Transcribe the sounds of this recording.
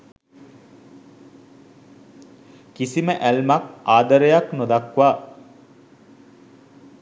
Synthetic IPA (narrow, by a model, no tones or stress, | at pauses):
kisiməʔælmakaːd̪əɾəjaknod̪akʋaː